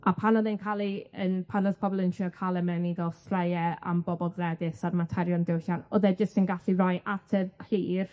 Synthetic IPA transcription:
apʰanɔðenkʰalˠiənpʰanɔspʰɔbɔlˠənʃʰiɔkʰalˠɛmɛniɡɛlˠstrajɛa̰mbɔbɔlˠɡrɛdɪsarmatʰɛɾjɔndɪwɬanɔðɛd͡ʒəstənɡaɬirajʔatʰɛðhiːr

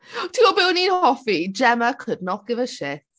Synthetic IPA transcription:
tʰiɔbɪwniːnhɔfid͡ʒɛməkʰədnɔt̚ɡ̥ɪvəʃɪθ

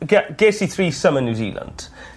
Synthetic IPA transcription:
ɡɛɡ̥eːsiθriːsəmə̃njuzḭːlə̰̃nd̥

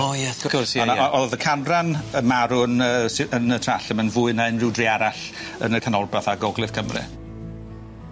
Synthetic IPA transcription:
ojɛθkɔsanaɔʔɔlðəkʰanranəmaɾʊnəːsɪənətʰraɬəmənvʊɨnaɨnrɪwdriaɾaɬ | ənəkʰanɔlbaθaɡɔɡlɨð̥kʰəmrɨ̰

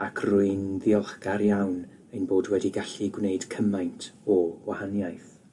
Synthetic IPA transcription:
akʰrʊɨnðiɔlˠχɡaɾjawn | ejnboːdwɛdiɡaɬiɡwneɨd̥kʰəmajntʰɔwahanjajθ

